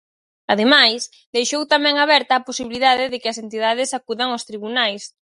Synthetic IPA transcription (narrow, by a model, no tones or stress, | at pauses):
aðemajs | d̪ejʃowt̪amɛ̃ŋaβɛɾt̪aːposiβiliðaðɪðɪkɪɐsent̪iðað̞ɪsakuðaŋost̪ɾiβunajs